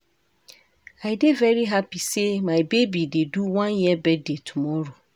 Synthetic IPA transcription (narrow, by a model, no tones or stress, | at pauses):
aɪdevɛɹiɦapisemaɪbebideduwãnjibɛdetʰumɔɾo